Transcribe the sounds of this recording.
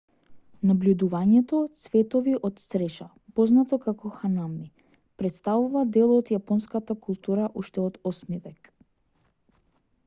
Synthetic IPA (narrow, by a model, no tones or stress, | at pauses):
nablʲud̪uvaɲɛt̪ɔt̪svɛt̪ɔviʔɔt̪sɾɛʃa | pɔznat̪ɔkakɔxanami | pɾɛt̪st̪avuvad̪ɛlˠɔt̪japɔnskat̪akulˠt̪uɾaʔuʃt̪ɛɔd̪ɔsmivɛk